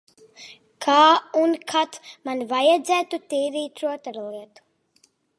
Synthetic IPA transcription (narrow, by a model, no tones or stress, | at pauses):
kʰaːunkʰat̪manvajad̪zæːt̪ut̪iːɾiːt̪ɾuɔt̪aɾlˠiɛt̪u̥